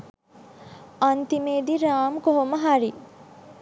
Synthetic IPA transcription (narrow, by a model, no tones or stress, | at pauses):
ɐnt̪imeːd̪iɾaːmkoɦoməɦaɾi